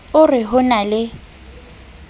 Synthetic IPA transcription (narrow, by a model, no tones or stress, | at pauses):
ʊrɪɦʊnalɪ